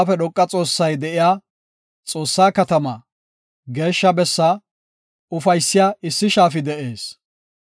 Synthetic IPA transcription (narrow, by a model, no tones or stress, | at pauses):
fɛɗɔkʼːɐt͡sʼo̞ːsːɐjd̪ɛʔɪjaː | t͡sʼo̞ːsːaːkɐt̪ɐmɐ | ɡe̞ːʃːɐbɛsːa | ʊfɐjsːɪjaɪsːɪʃaːfɪd̪ɛʔe̞ːs